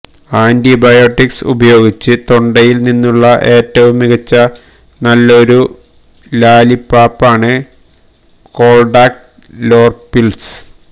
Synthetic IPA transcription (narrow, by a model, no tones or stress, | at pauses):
aːndibɐjoːʈːiksṵbɐjo̞ːɡit͡ɕːɨt̪o̞ɳɖɐjilninːuɭːɐʔe̞ːtːɐʋumːiɣɐt͡ɕːɐ | nɐlːɐo̞ɾu | laːlipːaːpːaːɳɨ | ko̞ːɭɖaːk̚ʈ | lo̞ːrpilsɨ̥